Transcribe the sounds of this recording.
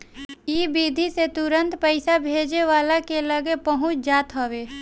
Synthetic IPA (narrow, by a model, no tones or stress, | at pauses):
iːbiːd̪ʱiset̪ʊɾə̃nt̪pəɪsabʱeːd͡ʒeʋaːlakeləɡepəɦʊt͡ʃʰd͡ʒaːt̪ɦoʋeː